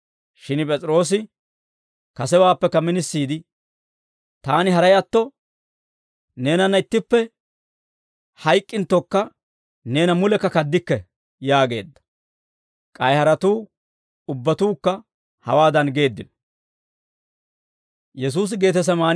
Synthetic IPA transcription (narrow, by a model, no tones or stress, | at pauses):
ʃɪnpʼɛt͡sʼɪɾo̞ːs̬ɪ | kɐsɛwaːpːɛkːɐmɪnɪsːiːd̪ɪ | t̪aːnɪɦɐɾɐjɐt̪ːɔ | ne̞ːnɐnːɐɪt̪ːɪpːɛ | hɐjkʼːɪnt̪ːɔkːɐ | ne̞ːnɐmʊlɛkːɐkɐd̪ːɪkːɛ | jaːɡe̞̰ːd̪ːɐ̥ | kʼɐjhɐɾɐt̪uː | ʊbːɐt̪uːkːɐ | hɐwaːd̪ɐnɡe̞ːd̪ːɪnɔ̥ | jɛs̬uːs̬ɪɡe̞ːt̪̬ɛs̬ɐmaːn